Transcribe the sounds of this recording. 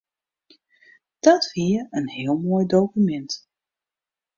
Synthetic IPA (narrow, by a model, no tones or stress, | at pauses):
d̥ɔtfiəənhɪəlˠmoːjdowkymɛnt